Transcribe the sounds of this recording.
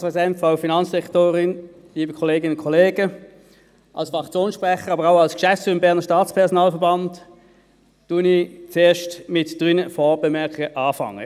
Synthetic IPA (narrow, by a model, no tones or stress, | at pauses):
spʁɛzidɛntfaʊfinɑnsd̥ɛktoːʁɪn | liːbəkʰɔleːɡɪnʊnkʰɔleːɡə | ʔɑ̰lsfɑkt͡sjoːnsʃpʁɛχəʁɑːbəʁaʊɑlskʃɛftt͡syːɪmbɛɐnəɐʃtaːt͡spʰɛɐʁsɔnaːlfəɐbɑnt | d̥unit͡seːɐʃtmɪtd̥ʁʏnəfoːbɛmɛɐkɪɡəʔɑːfɑ̰ŋə̰